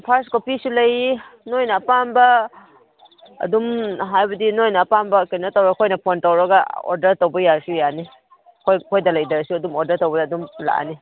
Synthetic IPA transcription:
pʰaɾskopisulɐjinojnɐːpanbɐ | dumɦajbɐdinojnɐːpanbɐkenɐtɐwɾɐɡkʰojnɐpontɐwɾɐɡɐo̰ɾdɐɾtowbɐjasujani | kʰojkʰojdɐlɐjdɐɾɐsuɐdumoɾdɐɾtowbɐdːdumla̰ʔni

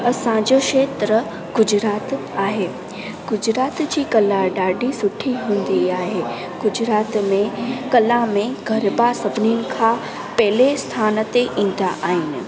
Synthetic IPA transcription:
ɐsãd͡ʑokʃeːt̪ɾə | ɡ̥ʊd͡ʑɾaːt̪ | aːɦeː | ɡ̥ʊd͡ʑɾaːt̪d͡ʑiːkɐlaɖaːɖʱisʊʈʰiɦũːn̆d̪iaːɦe | ɡ̥ʊd͡ʑɾaːt̪mẽkɐlamẽɡʱɐɾbasɐbninɪ̆kʰã | pɐɦlest̪ʰaːnt̪eʔĩːn̆d̪aʔaːɦɪnɪ̆

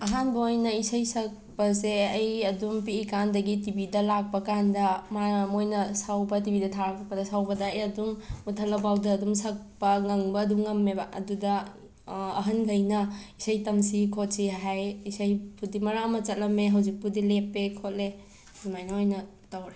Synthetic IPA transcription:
ɐɦanbɐojnɐisɐjsɐk̚pɐseɐjɐdumpiːkandɐɡitibidɐlak̚pɐkandɐmamojnɐsawbɐt̬ibidɐtʰaɾɐkʰak̚pɐdɐsawbɐdɐːjɐdumutʰɐlːɐbawdɐːdumsɐk̚pɐŋɐŋbɐːdumŋɐmːebaɐ̰dudɐː | ɦɐnɡʱɐjnɐisɐjtɐmsikʰot̚siɦajisɐjpʰudimɐɾamɐt͡ʃɐt̚lɐmːeɦɐwzik̚pudilepːekʰot̚le | zumajnɐojnɐ | tawɾe

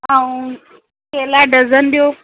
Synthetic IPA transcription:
aũ | kelaɖəzənd̪joː

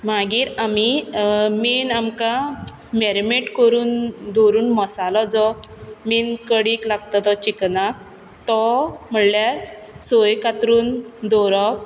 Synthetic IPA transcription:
maɡiːɾamiminamka | meɾmeʈkəɾuːnd̪oɾuːnmɔsalɔd͡zɔmiːnkəɽiklaɡt̪ɔt̪ɔt͡ɕiknak̚ | t̪ɔm̤əɳljaɾ | sojkat̪ɾuːnd̪ɔɾɔ

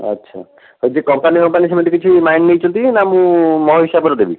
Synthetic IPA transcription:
ʌ̰tːʃʰa̰ | ɦojd͡ʒekɔmpanikɔmpanis̬ɔmeʈ̪ikit͡ʃʰimajnːejt͡ʃũnt̪inamũmɔɦiʃabɔɾɔd̪ebi

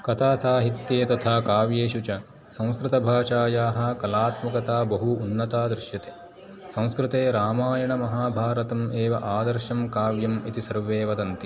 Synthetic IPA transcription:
kɐt̪ʰaːsaːɦit̪jeːt̪ɐt̪ʰaːkaːʋjeːʃut͡ʃɐ | sɐ̃w̃skɾɪt̪ɐbʱaːʃaːjaːɦɐ̆kɐlaːt̪mɐkɐt̪aːbɐɦuːnːɐt̪aːd̪ɾɪʃjɐt̪eː | sɐ̃w̃skɾɪt̪eːɾaːmaːjɐɳɐmɐɦaːbʱaːɾɐt̪ɐmeːʋɐʔaːd̪ɐɾʃɐmkaːʋjɐmit̪isɐɾʋeːʋɐd̪ɐnt̪i

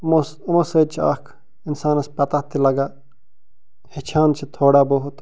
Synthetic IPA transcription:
mos | ɐmoseːd̪̚t͡ʃʰia̰ːkʰ | insaːnɐspɐt̪at̪ilɐɡaː | het͡ʃʰaːnt͡ʃʰit̪ʰoːɽaboɦut̪

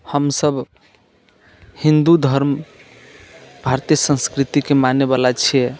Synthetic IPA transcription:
həmsəb | hind̪ud̪ʱəɾm | bʱaɾt̪ijəsə̃nskɾit̪ikemaneβalat͡ʃʰie

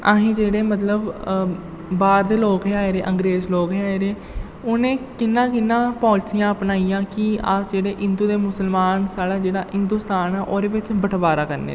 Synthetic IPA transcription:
aɦĩːd͡ʒeːɽeːmət̪ləb | baːɾd̪eːloːkɦeːaːeɾeːʔə̃ŋɡɾeːzloːkɦeaːeɾeː | ʊnẽːkɪnːãːkɪnːãːpɔ̃ːlt͡ʃijãːəpnaːiːãːkɪə̰sd͡ʒeːɽeːɦɪnd̪uːd̪eːmʊsəlmaːnsaːɽaːd͡ʒeːɽaːɪnd̪uːst̪aːnɛːʔoːɾeːʋɪt͡ʃbəʈʰbaːɾaːkəɾnḛ

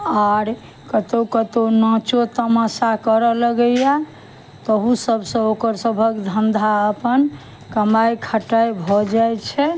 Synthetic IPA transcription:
aɾ | kət̪okət̪onãt͡ʃot̪əmasakəɾələɡəjja | t̪ɔɦusəbʱsə̃okəɾsəbʱəkd̪ʱənd̪ʱaəpən | kəmajkʰəʈajbʱɔd͡ʒajt͡ʃʰɛ

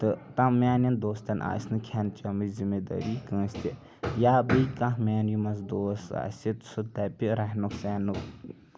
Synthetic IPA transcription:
t̪ɨt̪ãmːaːnind̪oːst̪ɐnʔa̰ːsnɨkʰant͡ʃɐmɨzimed̪a̰ɾikə̃ːsʲt̪i | jaːbɨjkãɦmʲaːnjumɐsd̪oːsa̰ːsit̪sɨt̪apʲiɾaɦnuksaːnuk

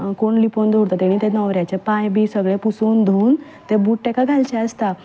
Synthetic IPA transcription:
koɳlipond̪ʱoɽt̪at̪eɽ̃it̪ɛnəʋɾjat͡ɕepãjbisəɡɭepusond̪ʱoːn | t̪ebuːʈʈɛkaɡʱalt͡ɕɛəst̪a

